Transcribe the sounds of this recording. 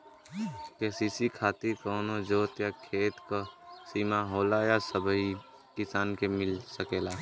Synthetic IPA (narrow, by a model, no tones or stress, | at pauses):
kesisikʰaːt̪iɾkoːnod͡ʒoːt̪jakʰeːt̪kosiːmaɦoːlajasəbʱəi | kɪsaːnkemɪlsəkeːlaː